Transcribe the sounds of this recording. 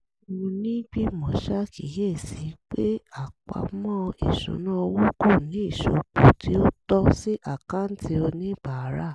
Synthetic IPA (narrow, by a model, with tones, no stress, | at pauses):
wũ˧nĩ˦ɡ͡bi˦mɔ̃˨ʃa˦ki˨˦je˦˨si˨˦k͡pe˦a˦˨k͡pa̰˨˦mɔ̃˦˧ḭ˨ʃṵ̃˨˦nã˦o˧wo˦ko˦˨nĩ˨˦i˦˨ʃo˨k͡po˨ti˨˦o˦tɔ˦si˦ʔa˦˨ka˦n̩˦ti˦o˧nĩ˦b̥a˨˦ɾa˦˨